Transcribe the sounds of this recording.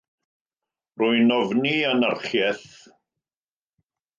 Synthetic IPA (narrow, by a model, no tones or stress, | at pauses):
rʊɨnɔvnianarχjɛθ